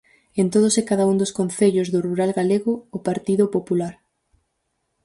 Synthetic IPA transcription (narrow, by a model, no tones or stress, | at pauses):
ent̪oð̞osɪkaðaund̪ʊskon̟θeʎozðʊruɾalɣaleɣʊːpaɾt̪iðʊpopulaɾ